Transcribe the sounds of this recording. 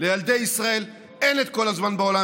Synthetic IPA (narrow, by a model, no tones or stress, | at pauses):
le̞jald̪e̞jisʁae̞l | enet̪̚kolazmanbeola